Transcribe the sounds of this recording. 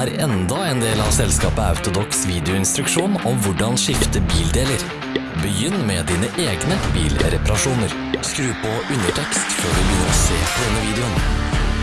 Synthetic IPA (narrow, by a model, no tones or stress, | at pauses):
æːɾɛnd̪ɑeːnd̪eːlɑʋsɛlskɑːpəɑ̰ʉt̪ʊd̪ɔksʋiːd̪ɛʊɪnst̪ɾʉkʂuːnɔmʋʊɖɑnʃɪft̪əbiːld̪eːləɾ | bəjʏnːmɛd̪iːnəʔeːɡnəbḭːlɾɛpɑɾɑʂuːnəɾ | skɾʉːpɔʔʉnəʈʰɛkst̪føːɖʉnuːɔsḛːpʰɔd̪ɛnːəʋiːd̪ɛʊn